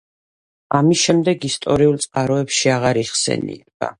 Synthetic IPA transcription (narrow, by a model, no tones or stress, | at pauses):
amisʃɛmd̪ɛɡist̪ʼɔɾiulˠt̪sʼqʼaɾɔɛpʃiaʁaɾiχsɛ̰nḭɛɡ̥a̰